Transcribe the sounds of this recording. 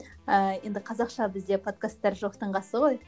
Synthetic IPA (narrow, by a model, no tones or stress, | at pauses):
əje̞nd̪ɪqʰɑzɑqʃɑbɪzd̪e̞pʰo̞t̪̚kast̪ːɑɾʒo̞qt̪əɴʁɑsəʁo̞j